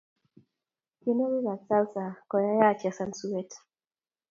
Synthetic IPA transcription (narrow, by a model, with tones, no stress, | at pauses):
kje˦no˦ɾu˦ɣa˨t͡sa˦lsa˨kɔ˨ja˦ja˦˨t͡ʃa˨sa˨nsu˦ɛ˦t